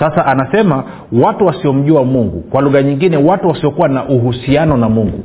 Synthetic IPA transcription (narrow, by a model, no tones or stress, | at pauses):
sasaʔanasɛma | watuwasiɔm̩ʄuamuŋɡṵkwaluɣaɲiŋɡinɛwatuwasiɔkuwanaʔuɦusianɔnamuŋɡṵ